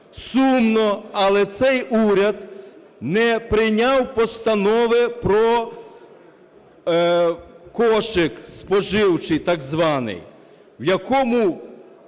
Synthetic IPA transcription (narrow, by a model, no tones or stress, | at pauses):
sumnɔɐlˠɛt̪sɛjuɾʲɐd̪ | nɛpɾɪjnʲɑwpɔst̪ɐnɔʋɪpɾɔ | kɔʃɪkspɔʒɪwt͡ʃɪjt̪ɑɡzʋɑnɪ̰j | wjɐkɔmʊ